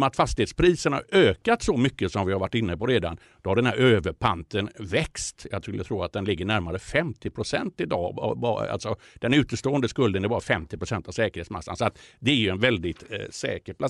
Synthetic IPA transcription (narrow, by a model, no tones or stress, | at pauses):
mnat̪fast̪ɪheːt̪spʰɾiːsənha̰ɾøːkat̪sɔmʏkːəsɔmvɪhaɾvaʈːɪnːəpɔɾeːd̪a̰n | d̪̥ɔhaɖɛnhæɾøːvəɾpʰant̪ənvɛkst̪jɑɡt̪ʰɾɵlːət̪ʰɾuːɾat̪̚d̪ɛnlɪɡːəɳæɾmaɾəfɛmt̪ɪpʰɾʊsɛnt̪ɪd̪ɑ̰ːbɑ̰a̰lsɔd̪̥ɛnʉ̟ːt̪əʂt̪oːənd̪əskɵld̪ənɛɾbɑːɾafɛmt̪ɪpɾʊsɛnt̪avsɛːkəɾheːtsma̰sːansɔat̪d̪ɛæɾjɵɛnvɛld̪ɪt̪sɛ̰ːkəɾpʰla